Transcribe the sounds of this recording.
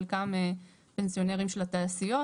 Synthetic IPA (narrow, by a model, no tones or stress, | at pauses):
lkame | pensio̞neʁimʃelat̪aːsijo̞